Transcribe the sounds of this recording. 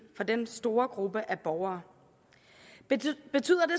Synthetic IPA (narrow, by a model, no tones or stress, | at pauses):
fɒ̽d̥ensd̥o̝ːɐɡ̥ʁub̥əʔæb̥ɒʊɐː | b̥e̝t͡sʰy̰ːɐd̥e̝